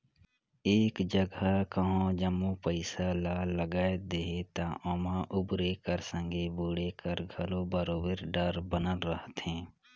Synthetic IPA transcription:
eːkd͡ʒəɡəkəɦãd͡ʒəmupəɪsalaːləɡaːed̪eːɦet̪ãʔoːmãʔʊbɾekəɾsə̃ŋɡeboːɽekəɾɡʱəlobəɾoːbəɾɖəɾbənəlɾəɦt̪ɦɛ̃ː

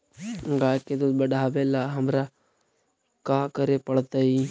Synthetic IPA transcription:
ɡaːjked̪obəɽʱaːʋelaɦɐmɾa | kaːkəɾepəɽt̪ai

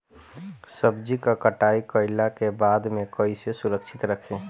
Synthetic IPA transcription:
səbd͡ʒikakəʈaikəɪlakebad̪mekəjsesuɾəkt͡ʃʰit̪ɾəkʰẽ

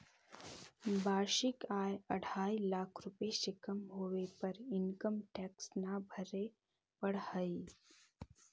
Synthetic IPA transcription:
baːɾʃɪkaːjəɽ̤ʱaːilaːkʰɾʊpeʃɪkəmɦoːʋepɐɾɪnkəmʈɛːksnabʱəɾe | pəɽhəiː

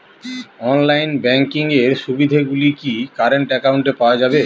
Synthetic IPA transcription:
ɔnlajnbɛŋkiŋeɾʃubid̪ʱeɡulikikaɾeɳʈɛkawɳʈepaoad͡ʑabe

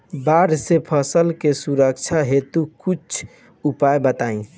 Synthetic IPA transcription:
baɾsepʰəsəlkesuɾək̚t͡ʃʰaɦet̪ukut͡ʃʰ | upajbət̪aĩ

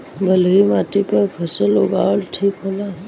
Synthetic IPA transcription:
bəlimaːʈipəɾpʰəsəloɡaəlʈʰiːkɦoːlaɦɛ

